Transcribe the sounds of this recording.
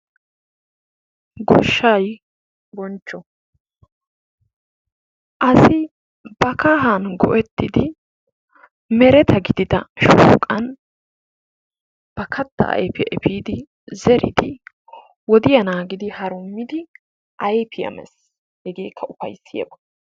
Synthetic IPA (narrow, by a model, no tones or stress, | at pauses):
ɡɔ̰ʃːɐj | bɔnt͡ʃːɔ | ʔɐsɪ | bɐkaːɦanɡɔ̰ʔɛt̪ːɪd̪ɪ | mɛɾɛt̪ʰɐɡɪd̪ɪt̪ɐʃuːkʼɐn | b̥ɐkʰɐt̪ːɐ̰ʔɐ̰jpɪʔɛpiːd̪ɪ | zɛɾɪ̰d̪ɪ | wɔd̪ɪjɐnaːɡɪd̪ɪhɐɾʊmːɪd̪ɪ | ʔɐjpɪjɐ̰mɛ̰s | hɛɡeːkʰːɐʊfɐ̰jsːɪjɐ̰bɐ